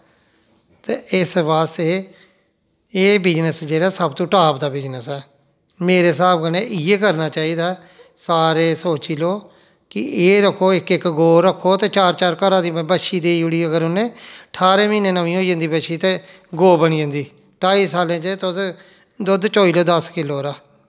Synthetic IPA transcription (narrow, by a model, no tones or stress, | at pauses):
t̪eːɪsʋaːst̪eː | eːbɪd͡ʒnəsd͡ʒeːɽaːsəbt̪õːʈaːpd̪aːbɪd͡ʒnəsɛː | meːɾeːsaːbkəneːʔɪeːkəɾnaːt͡ʃaːiːd̪aː | saːɾeːsoːt͡ʃiːloː | kɪʔeːɾəkʰːoːɪkɪkɡoːɾəkʰːoːt̪eːt͡ʃaːɾt͡ʃaːɾkəɾãːd̪iːbəʃiːd̪eːiʊɽiːəɡəɾʊnẽːəʈʰaːɾeːmĩːneːnəʋĩːɦoːd͡ʒə̃nd̪iːbəʃiːt̪eː | ɡoːbəniːə̃nd̪iː | ʈaːiːsaːlẽːt͡ʃet̪ʊd̪ | d̪ʊd̪t͡ʃoːiːloːd̪əskɪloːɾaː